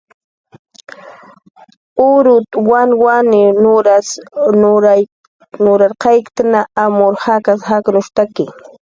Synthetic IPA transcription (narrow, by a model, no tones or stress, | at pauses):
ʊɾʊt̪wanwanɪnʊɾas | ɾ | nʊɾaɾqɑjkt̪anaamʊɾhakashaknʊʃt̪akɪ